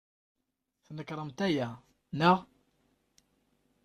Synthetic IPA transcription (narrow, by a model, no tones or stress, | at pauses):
θnəkɾˤəmt̪æjæ | nəʁ